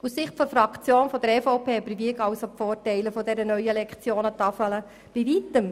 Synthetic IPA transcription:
usːɪχtfɔfɾɑkt͡sjoːnfɔd̪əɾɛfɔʊpʰeːbəɾʋiəkɑwsofoːrtɛɪləfɔd̪ɛɾənœʏəlɛkχt͡sjoːnət̪ɑfələ | b̥iʋit̪əm

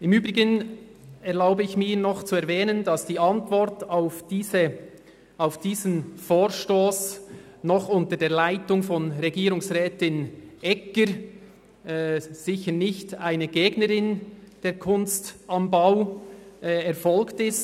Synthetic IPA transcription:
ɪmyːbʁɪɡən | ɛʁlaʊbəɪçmiːɾnɔχt͡suɛɾvɛːnənd̥ɑsd̥iːɑntvɔɾtaʊfiːzə | aʊfd̥iːzn̩foːɾʃtoːs | nɔχʊntədeːɐlaɪtʊŋfɔnʁɛɡiːɾʊŋsʁɛːtɪnʔɛkəɾ | z̥ɪçəɾnɪçtaɪnəɡeːɡnəɾɪnd̥eːɾkʰʊnstɑmbaʊʔɛɾfɔlktɪst

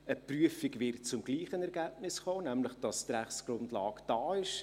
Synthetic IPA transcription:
əpryəfiɡvɪrt̚t͡sʊmɡ̥liːχənɛɾɡæːb̚nɪsχoːnæmləχd̥ɑstræχt͡ssɡ̥ɾʊndlɑːɡd̥ɑːɪʃ

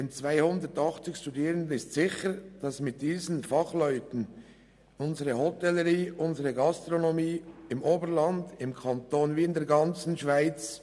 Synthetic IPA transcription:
d̥ent͡svaɪhʊndətɑχt͡sɪçʃtudiːʁəndənɪstsɪçəd̥ɑsmɪt̚d̥iːzn̩fɑχlœʏtən | ʔʊnzəʁəhotɛləʁiːʔʊnzəʁəɡɑstʁonomiːɪmʔoːbəɾlɑndɪmkʰɑntoːnviːɪndeːɐɾɡɑnt͡sn̩ʃv̥aɪt͡s

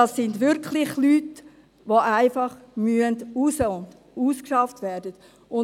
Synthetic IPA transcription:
ɑsːɪndʋɪɾklɪχlyːt | ʋoʔaɪfɑχmyəndusəʊnd | uːskʃɑftvɛɾdət | ʊn

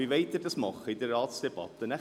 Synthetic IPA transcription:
iʋeɪt̪ɪɾdɑsmɑχəɪdəɾɑːt̪sd̥eb̥ɑ̰t̪ːənæ

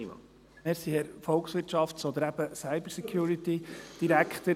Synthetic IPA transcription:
ɑ̰ | mɪɾsihɛɾfɔlˠksʋɪɾtʃɑftsɔd̪əɾæb̥əsaɪbəɾsɛkʰjuːɾit̪id̥iɾækχt̪ə

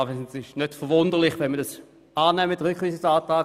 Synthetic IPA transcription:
visnsɪʃnøtfəʁʋʊndəʁlɪχvɛnmədas | aːnɛmədʁykχiːsəsaːtʁaː

